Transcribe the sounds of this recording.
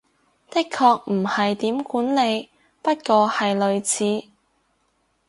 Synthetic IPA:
t̪ɪ˥kʰːɔː˧k̚m̩˨˩hɐ˨jt̪iː˨˥mkuː˨˥nle˨˧j | pɐ˥t̚kɔː˧hɐ˨jlɵ˨˧ɥt͡sʰiː˨˥

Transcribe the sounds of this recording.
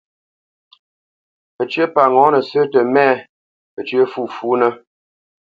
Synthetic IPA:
ə˨t͡ʃə˦pa˨ŋɔ̃˨˦nə˨sə˦tə˨mɛ˦ | ə˨t͡ʃɥə˦fu˦˨fuː˨˦nə˦

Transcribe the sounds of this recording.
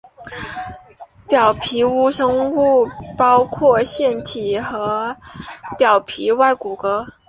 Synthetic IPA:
pjɑ˨˩ʊpʰi˧˥u˥ʂɤ˥ŋu˥˩pɑ˥ʊkʰwɔ˥˧ɕjɛ˥˩nt̪ʰi˨˩xɤ˧˥ | pjɑ˨˩ʊpʰi˧˥wa˥˩ɪku˨˩kɤ˧˥

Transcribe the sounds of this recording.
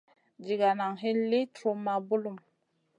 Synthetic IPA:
d͡ʒi˨ɡa˨na˨ŋɦi˦nli˦tɾo˦ma˨bu˦lu˦˨m

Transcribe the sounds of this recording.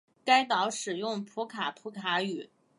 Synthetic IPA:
ka˥ɪt̪ɑ˧˥ʊʂɻ̩˨˩jʊ˥˩ŋpʰu˧˥kʰa˨˩pʰu˧˥kʰa˧˥y˨˩˦

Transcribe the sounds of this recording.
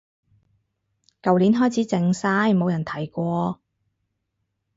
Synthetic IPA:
kɐ˨wliː˨˥nɦɔː˥jt͡sʰiː˨˥t͡sɪ˧ŋsaː˥jmo˨˧wjɐ˨˩nt̪ʰɐ˨˩jkʷɔː˧

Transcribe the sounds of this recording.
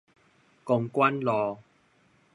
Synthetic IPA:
kʊ˧ŋkwa˦˥nlɔ˨˧

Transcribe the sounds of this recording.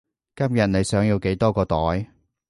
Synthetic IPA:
kɐ˥mjɐ˨t̚ne˨˧jsœː˨˥ŋjiː˧wke˨˥jt̪ɔː˥kɔː˧t̪ɔː˨˥j

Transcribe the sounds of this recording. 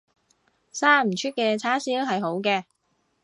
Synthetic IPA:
saː˥m̩˨˩t͡ʃʰyː˥t̚kɛː˧t͡sʰaː˥siː˥ɦɐ˨jɦo˨˥wkɛː˧

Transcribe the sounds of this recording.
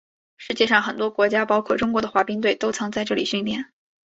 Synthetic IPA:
ʂɻ̩˧˥t͡ɕjɛ˥˧ʂɑ˥˩ŋxə˨˩nt̪̬wɔ˥kwɔ˧˥t͡ɕja˥pɑ˥ʊkʰwɔ˥˩ʈ͡ʂʊ˥ŋkwɔ˧˥d̪ə˧xwa˧˥pi˥ŋt̪we˥˩ɪt̪o˥ʊt͡sʰɤ˧˥ŋt͡sa˥˧ɪʈ͡ʂɤ˥˩li˨˩ɕy˥˧ŋt̪jɛ˥˩˦n

